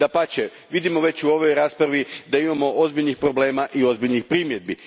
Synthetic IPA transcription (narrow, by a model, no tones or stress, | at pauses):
d̪apat͡ɕe | ʋid̪imo̞ʋe̞t͡ɕuo̞ʋo̞jɾaːspɾaʋid̪aimamo̞ʔo̞zbiʎnixpɾo̞ble̞ːmaʔio̞zbiʎnixpɾiːmje̞d̪̚bi